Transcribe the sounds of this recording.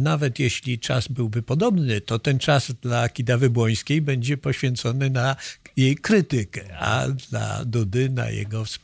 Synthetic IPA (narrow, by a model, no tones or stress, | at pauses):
navɛt̪jɛɕlʲit͡ʂa̰zbɘwbɘpɔd̪ɔbnɘt̪ɔt̪ɛnt͡ʂaz̥d̪lakʲid̪avɛbwɔj̃skʲejbɛɲd͡ʑɛpɔɕfʲɛnt̪sɔnɘnajejkɾɘt̪ɪkɛa̰d̪la̰d̪ud̪ɘna̰jɛ̰ɡɔfs